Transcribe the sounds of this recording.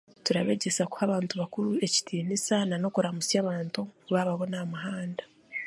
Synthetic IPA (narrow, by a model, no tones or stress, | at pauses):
tuɾaβe̞ːɟe̞saku̥haβaːntuβakuɾue̞ci̥tʰiːnisanano̞kuɾamusjaːβaːntuβaβaβo̞namaɦaːndḁ